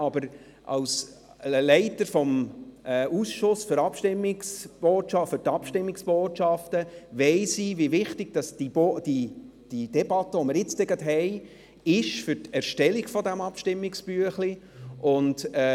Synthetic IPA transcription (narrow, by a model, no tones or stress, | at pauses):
ɑbəɾ | ʔɑ̰ls | əlɛɪtəɾfɔmɛusʃʊsføɾɑpʃtɪmːɪksb̥oːtʃɑfʏɾtɑpʃtɪmːɪksb̥oːtʃɑftəʋɛɪsivivɪχtɪɡ̥d̥ɑsd̥iboːd̥i | d̥id̥ɛbɑtːəɔməɾjɪt͡stɛɡɑtɦɛɪ | ɪʃfʏɾtɛɾʃtɛliɡfɔdæmɑpʃtɪmːɪksb̥yəχli | ʔʊndɛ